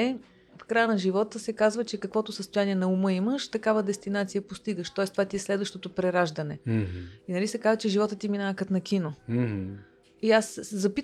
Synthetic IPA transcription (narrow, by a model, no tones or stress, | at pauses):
ɛ | fkɾajənɐʒivɔt̪əsɛkazvət͡ʃɛkɐkvɔt̪ʊsəst̪ojaniɛnɐumɤiməʃt̪ɐkavəd̪ɛst̪inat̪sijəpost̪iɡəʃt̪ɔɛst̪ovat̪iɛslɛd̪vəʃt̪ot̪opɾɛɾaʒd̪ənɛinɐlisɛkazvət͡ʃɛʒivɔt̪ət̪iminakət̪nɐkʲino | iaszɐpit̪